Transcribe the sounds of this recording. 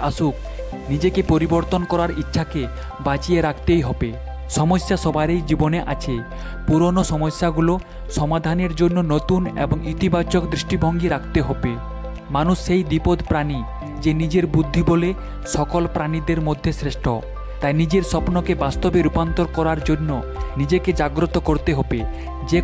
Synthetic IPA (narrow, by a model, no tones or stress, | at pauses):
aʃuk̚ | nid͡ʑekepoɾiboɾt̪onkɔɾaɾitːɕʰake | bat͡ɕieɾakʰt̪ejɦɔbe | ʃɔmosːaʃɔbʱaɾejd͡ʑiboneʔa̰t͡ɕʰe | puɾonoʃɔmosːaɡulo | ʃɔmad̪ʱaneɾd͡ʑonːonot̪unḛboŋit̪ibat͡ɕokd̪ɾiʃʈibʱoŋɡiɾakʰt̪eɦɔbe | manusːejd̪ipod̪pɾani | d͡ʑenid͡ʑeɾbud̪ʱːibole | ʃɔkolpɾanid̪eɾmod̪ʱːesɾeʃʈʰo̰ | t̪ajnid͡ʑeɾʃɔpnokebast̪obeɾupant̪oɾkɔɾaɾd͡ʑonːo | nid͡ʑeked͡ʑaɡɾot̪okoɾt̪eɦobe | d͡ʑe